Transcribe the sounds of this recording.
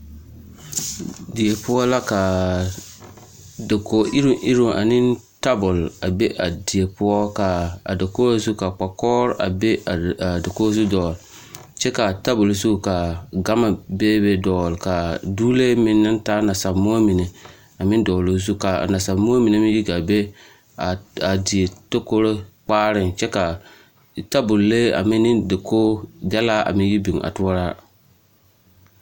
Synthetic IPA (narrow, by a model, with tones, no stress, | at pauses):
dɪ˨e˨pʊ˦ɔ˦la˦ka˨ | da˨ko˨ʔɪ˦ɾʊ˨ʔɪ˦ɾo˨ʔa̰˨nɪ˦nta˦bʊ˨la˨be˦ʔa˨dɪ˨e˨pʊ˦ɔ˦ka˨a̰˨da˨koː˦a˨zu˦ka˨k͡pa˨kɔː˦ɾa̰˨be˦˨a˨da˨koː˦zu˦dɔː˨l | t͡ʃɛ˦ka˨ta˦bʊ˨lzu˦ka˨ɡa˦ma˨beː˦be˦dɔː˨lka˨duː˦le˦mɪ˦nːɪ˦ntaː˦na˨sa˨bmːo˦a˦mi˨ne˨ | a˨mɪ˦ndɔː˨lo˨z̬u˦ka̰˨na˨sa˨bmo˦a˦mi˨ne˨˦mɪ˦ji˦ɡa˨be˦ | a˨a˨di˨e˨to˦ko˦ɾe˦k͡paː˦ɾɪ˨nt͡ʃɛ˦ka˨ | ta˦bʊ˨lle˦a̰˨mɪ˦nːɪ˦ndɪ˨koː˦dɛ˦laː˦ʔa̰˨mɪ̃˦n˦ji˦bi˨ŋa̰˨tʊ˦a˦ɾaː˦